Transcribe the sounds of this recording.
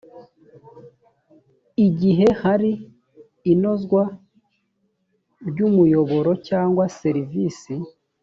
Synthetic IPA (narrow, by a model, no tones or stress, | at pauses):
iɟiɦe̞haɾiː | no̞zɡwa | ɾɟumujo̞βo̞ɾo̞caːŋɡwase̞ɾivisi